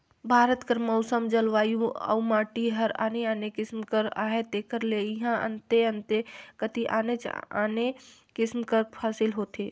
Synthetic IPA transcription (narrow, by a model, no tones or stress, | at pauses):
bʱaːɾət̪kəɾmɔʊsəmd͡ʒəlʋaːjũə̰umaːʈiɦəɾa̰ːneaːnekɪsmkəɾa̰ːɦet̪ekəɾleiɦãə̰nt̪eənt̪ekət̪iʔa̰ːnet͡ʃa̰nekɪsmkəɾpʰaːsilɦoːt̪ʰe